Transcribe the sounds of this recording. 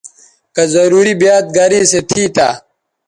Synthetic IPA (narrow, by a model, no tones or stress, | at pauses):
kɐzɐɾuːɾibjaːt̪̚ɡɐɾiːset̪ʰiːt̪ʰaː